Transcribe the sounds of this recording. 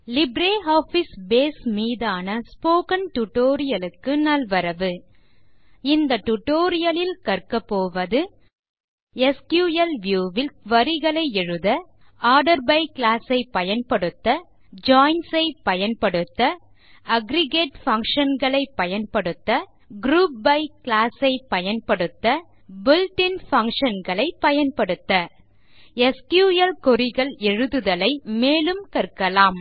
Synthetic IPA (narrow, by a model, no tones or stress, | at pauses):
lɪbɾeːaːfɪsbeːsmiːðaːnɐspoːkɐnʈʊʈoːɾɪjɐlɯkːɯnɐlʋɐɾɐʋɯ | ɪnd̪ɐʈːʊʈːoːɾɪjɐlɪlkɐɾkɐpːoːʋɐðɯ | ɛskjuːjɐlʋjuːʋɪlʋɐɾɪɣɐɭɐɪɛɻɯðɐ | aːɖɐɾbɐɪklaːsɐɪpːɐjɐnpɐɽɯt̪ːɐ | d͡ʒaːɪnsɐɪpːɐjɐnpɐɽɯt̪ːɐ | ʔɐɡɾɪɡeːʈfɐŋkʂɐnɡɐɭɐɪpːɐjɐnpɐɽɯt̪ːɐ | ɡɾuːp̚bɐɪklaːsɐɪpːɐjɐnpɐɽɯt̪ːɐ | bɪlʈɪnfɐŋkʂɐnɡɐɭɐɪpːɐjɐnpɐɽɯt̪ːɐ | ɛskjuːjɐlkɔɾɪɣɐɭɛɻɯðɯðɐlɐɪmeːlɯmkɐɾkɐlaːm